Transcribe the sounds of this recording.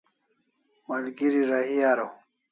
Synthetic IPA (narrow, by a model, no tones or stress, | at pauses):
mɐlɡiɾiɾaɦiaɾow